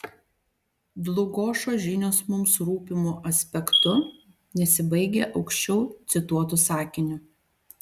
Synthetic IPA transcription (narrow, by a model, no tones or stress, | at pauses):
d̪lˠʊɡoːʃoːʒʲɪnʲoːsmʊmsɾuːpʲɪmuʔɐsʲpʲɛkt̪ʊ | nʲɛsʲɪbɐɪɡʲeːʔɒʊkʃʲt͡ʃʲɛʊt̪sʲɪt̪uɔt̪ʊsɑːkʲɪnʲʊ